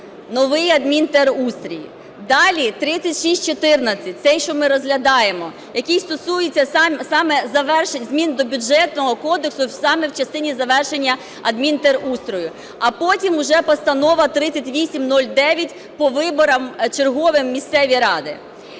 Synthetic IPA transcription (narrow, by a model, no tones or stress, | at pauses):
nɔʋɪjɐd̪mʲint̪ɛrust̪ɾʲijḭ | d̪ɑlʲit̪ɾɪt͡sʲɐtʲʃisʲt̚ʲt͡ʃɔt̪ɪrnɐt͡sʲɐt̚ʲt̪sɛjʃt͡ʃɔmɪɾɔzɦlʲɐd̪ɑjemɔ | jɐkijst̪ɔsujet͡sʲːɐsɑmsɑmɛzɐʋɛrʃenʲzmʲind̪ɔbʲʊd͡ʒɛt̪nɔɦɔkɔd̪eksʊsɑmɛwt͡ʃɐst̪ɪnʲizɐʋɛrʃenʲːɐ | ɐd̪mʲint̪ɛrust̪ɾɔjʊ | ɐpɔtʲimʊʒɛpɔst̪ɐnɔʋɐt̪ɾɪt͡sʲɐtʲʋʲisʲimnɔlʲd̪ɛʋʲjɐtʲ | pɔʋɪbɔɾɐmt͡ʃerɦɔʋɪmːʲist̪sɛʋʲiɾɑd̪ɪ̰